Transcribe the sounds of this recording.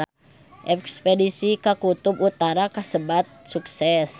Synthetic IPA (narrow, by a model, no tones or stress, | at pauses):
ʔɛkspedisikakut̪ubut̪aɾakasəbat̪̚suksɛs